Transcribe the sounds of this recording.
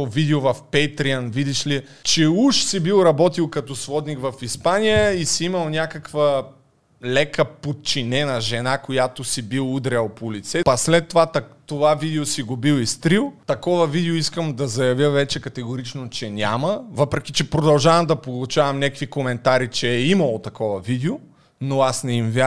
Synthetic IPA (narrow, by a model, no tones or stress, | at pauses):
vid̪ɛovɐfpɛjt̪ɾianvid̪iʃli | t͡ʃɛuʃsibilˠɾɐbɔt̪ilˠkɐt̪ɔsvɔd̪nikvɐfispanijəisiimɐlˠnʲjakɐkvə | lɛkəpot̪̚t͡ʃinɛnɐʒɛnakojat̪osibilˠud̪ɾɛlˠpolit̪sɛpɐslɛt̪ːovat̪t̪ovavid̪ɛosiɡʊbilˠist̪ɾilˠt̪ɐkɔvɐvid̪ɛoiskəmd̪ɐzɐjɐvʲjəvɛt͡ʃɛkɐt̪ɛɡoɾit͡ʃnot͡ʃɛnʲaməvɤpɾɛk̟ʲit͡ʃɛpɾod̪ɐlˠʒavɐmd̪ɐpolˠut͡ʃavɐmnʲakvikomɛnt̪aɾit͡ʃɛːimɐlˠot̪ɐkɔvɐvid̪ɛo | noasnɛimvja